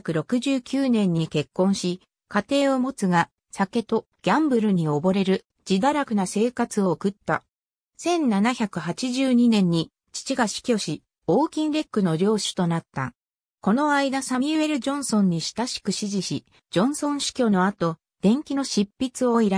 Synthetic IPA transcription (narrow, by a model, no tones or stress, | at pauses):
kɯ̟ɾo̞kɯ̟ʑɨːkʲɨːnẽ̞ɲ̟ːike̞kːõ̞ɰ̃ɕi | kat̪e̞ːo̞mo̞t͡sɨɡa | sake̞t̪o̞ | ɡ̥ʲãmbɯ̟ɾɯ̟ɲ̟io̞bo̞ɾe̞ɾɯ̟ | d͡ʑid̪aɾakɯ̟nase̞ːkat͡sɨo̞ːkɯ̟t̪ːa̰ | sẽ̞nnanaçakɯ̟ɦat͡ɕiʑɨːɲ̟inẽ̞ɲ̟ːi | t͡ɕi̥t͡ɕiɡaɕi̥kʲo̞ɕi | oːkʲĩnɾe̞kːɯ̟no̞ɾʲo̞ːɕi̥t̪o̞nat̪ːa̰ | ko̞no̞aid̪asamʲie̞ɾɯ̟d͡ʑõ̞ɰ̃sõ̞ɲ̟ːiɕi̥t̪aɕi̥kɯ̟ɕiʑiɕi | d͡ʑõ̞ɰ̃sõ̞ɰ̃ɕi̥kʲo̞ːno̞at̪o̞ | d̪̥ẽ̞ŋkʲino̞ɕipʲːit͡sɨo̞iɾa